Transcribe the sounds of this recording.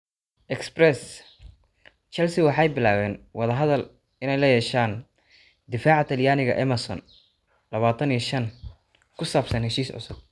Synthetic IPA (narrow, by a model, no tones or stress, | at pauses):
ʔɛksbrɛs | t͡ʃɛlsɪwɑħɑjbɪlaːwɛːnwɑðɐɦɐðɐl | ɪnɛjlɐjɛːʃaːn | d̪ɪfaːʕat̪ʰɐljaːnɪɣɐ̰ʔɐmɐsɔ̰n | lɐβaːt̪ʰɐnijʃɐn | kʰʊsaːbsɐnhɛʃiːsʕʊ̰sʊd̪̚